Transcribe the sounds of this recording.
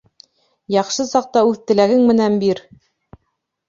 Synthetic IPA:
jɑχʃɤsɑq̚t̪ɑʉθt̪ɘ̆læɡɘŋmɘ̆nænbiɾ

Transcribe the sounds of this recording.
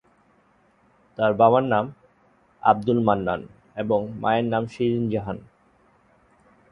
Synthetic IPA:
t̪aɾbaβanːam | a̰b̚d̪ulmanːa̰n | eboŋmʔa̰eɾnamʃiɾind͡ʑaɦan

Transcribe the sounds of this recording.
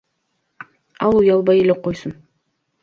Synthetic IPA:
ɑlˠujɑlˠbɑjeleqojsɤn

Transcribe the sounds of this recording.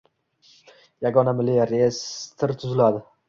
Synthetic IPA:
jaɡɒnamɪliɾest̪ʰɪɾt̪ʰʊzɪlad̪ɪ

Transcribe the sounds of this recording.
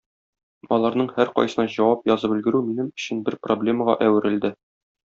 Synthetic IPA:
ɒlˠɑɾnɤɴhæɾqɒ̰jsɤ̆nɑʑɒwɑpjɒzɤpɵ̆lɡɘ̆ɾʉminɘmɵ̆ɕɘnbɘɾproblʲe̞məʁɑ̰ʔæwɘ̆ɾɘ̆ld̪ɘ

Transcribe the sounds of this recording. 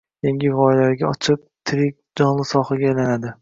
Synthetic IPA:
jeŋʲɪvɒjlaɾɡʲaɒt͡ʃʰɪp̚t̪ʰɪɾɪk̚ʲd͡ʒɒnlˠɪsɒχaɡʲaːjlanad̪ɪ

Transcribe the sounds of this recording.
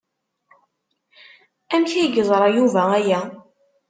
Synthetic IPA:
ænçiɡəzˤɾˤɑjuvææjæ

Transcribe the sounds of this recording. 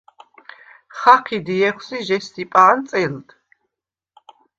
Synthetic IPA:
χaqʰid̪iɛχʷwsiʒɛstipʼant̪sʼɛld̪

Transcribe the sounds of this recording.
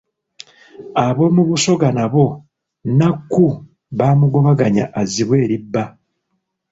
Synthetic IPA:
aβo̞ːmuβuso̞ɡanaβo̞ | nakːu | βaːmuɡo̞βaɡaɲa̰ʔaziβwe̞ːɾibːa

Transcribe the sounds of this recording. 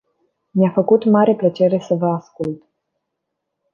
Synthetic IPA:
miafəkut̪maɾeplət͡ʃe̞ɾe̞səvəaskult̪

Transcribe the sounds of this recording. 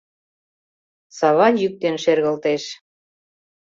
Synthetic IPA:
sɑβɑnjyk̚t̪enʃerɣə̆lt̪eʃ

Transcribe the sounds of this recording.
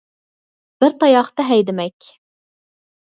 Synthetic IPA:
b̥ɪɾt̪ʰɑjɑχt̪ɑɦɛjd̪ɪmɛkʲ

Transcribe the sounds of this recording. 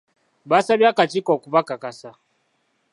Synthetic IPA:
basabjakat͡ʃikɔkubakakasa

